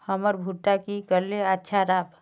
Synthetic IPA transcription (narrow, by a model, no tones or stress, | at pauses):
həməɾbʱuʈakikəɾleətːʃʰaɾaːb